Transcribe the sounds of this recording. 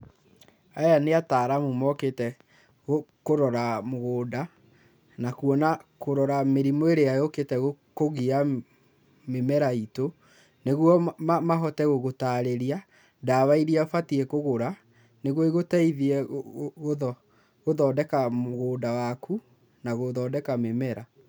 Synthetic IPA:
ajaneataːɾamumɔketɛ | ɣokoɾɔɾamoɣoːda | nakuɔnakoɾɔɾameɾimoeɾeajoketɛɣo | koɣia | memɛɾaito | neɣwɔmamaɦɔtɛɣoɣotaːɾeɾia | dawaiɾiafatiɛkoɣoɾa | neɣɔiɣotaiðiɛɣoðɔ | ɣoðɔdɛkamoɣoːdawakʰu | naɣoðɔːdɛkamemɛɾa

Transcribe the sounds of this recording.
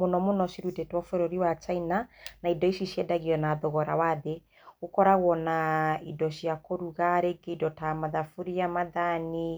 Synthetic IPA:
monɔmonɔsiɾutetwafɛɾoɾiwat͡ʃainanaidɔisisjɛdaɣiɔnaðɔɣɔɾa̰waðe | ɣokɔɾaɣwɔnaidɔʃjakoɾuɣaɾeɡeidɔtamaðafuɾijamaðani

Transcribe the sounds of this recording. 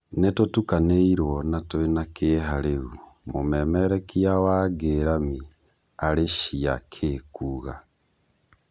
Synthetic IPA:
netotukaneiɾwɔnatoenakeːɦaɾeumomɛmɛɾɛkiawaɡeɾami | aɾeʃia̰kʰeːkuːɣa

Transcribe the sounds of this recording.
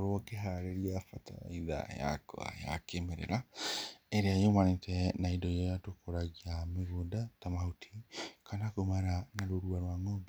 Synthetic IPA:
oɾwɔkeɦaɾeɾiafatʰa̰a̰iða̰ja̰ko̰a̰ja̰kemeɾḛɾa | eɾeajomanetʰɛnaidɔijɔjatokoɾaɣiameɣodatamahotʰi̥kʰanakomaɾanaɾoɾuaɾwaŋɔb

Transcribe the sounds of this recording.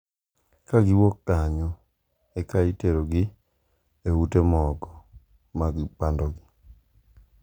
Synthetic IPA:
kaɡɪwokːaɲɔ | ekaiteɾoɡi | eutemɔkɔ̥ | maɡɪpandɔɡɪ

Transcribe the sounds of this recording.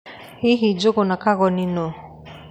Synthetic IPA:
hiɦid͡ʒoɡʊnakaɣɔnino

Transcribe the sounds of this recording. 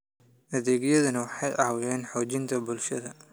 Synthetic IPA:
ʔɐðɛːɣjɐðɐnɐwɑħɑjʔɑːwʊjɛːnħɔːt͡ʃɪnt̪ʰɐbʊlʃɐðɐ

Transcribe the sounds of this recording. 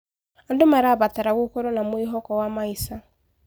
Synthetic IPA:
andomaɾaːβataɾaɣokɔɾɔnamwiɦɔkɔwamaisa

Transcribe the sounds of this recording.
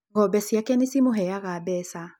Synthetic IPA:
ŋɡɔbɛsjakɛnesimoɦɛjaɣabɛsa

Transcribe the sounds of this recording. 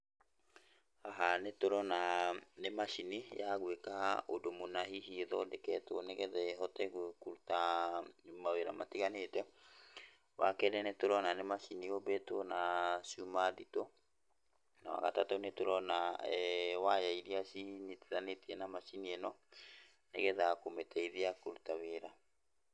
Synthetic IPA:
haɦanetoɾɔnanemaʃinijaɣwekaha̰ʔodomonaɦiɦiðɔdekɛtoneɣɛðɛɦɔtɛɣwkuɾuta | maweɾa̰mʔa̰tiɣanetɛ | wakɛɾɛnɛtoɾɔnanemaʃiniobɛtonasumaðito | nawa̰ɣa̰tatonetoɾɔnaɛwajaiɾiasinitiðanetiɛnamaʃiniɛnɔ | nḛɣɛðakometʰɛiðiakuɾutaβeɾa

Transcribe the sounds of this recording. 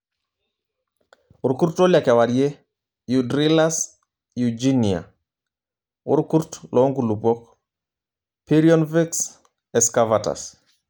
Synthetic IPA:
uɾkuɾtoljakɛwaɾje | judɾilas | jud͡ʒinia̰ | ṵɾkuɾtlʔɔŋɡulupɔk | piɾiɔnviks | ɛskavata̰s

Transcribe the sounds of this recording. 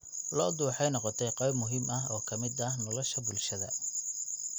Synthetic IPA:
lɔːd̪uːħɑjnɔqɔt̪ʰɛjqɛjbmʊɦiːmɐɦɔːkʰɐmɪd̪ɐhnɔlɔʃɐbʊlʃɐðɐ

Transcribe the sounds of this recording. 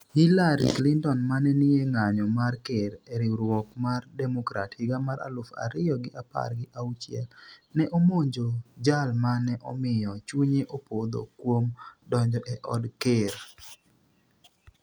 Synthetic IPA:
hilaɾḭklintɔnmanɛnɪeŋaɲɔmarkeɾɛɾiɾwɔkmardɛmɔkɾa̰thiɡamaɾa̰lʊfa̰ɾɪjɔɡɪʔapa̰rɡɪʔaut͡ʃɪɛ̰lnɛʔomoɲd͡ʒod͡ʒalmanɛʔɔ̰mɪjɔt͡ʃuɲeʔopod̪o̰kwomdɔɲd͡ʒɔʔɛʔɔdkeɾ

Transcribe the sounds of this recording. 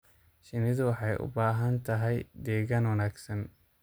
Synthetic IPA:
ʃɪnɪðʊwɑħɑjʔʊ̰baːɦɐnt̪ʰɐɦɛjd̪ɛːɣaːnwɐnaːɡsɐn

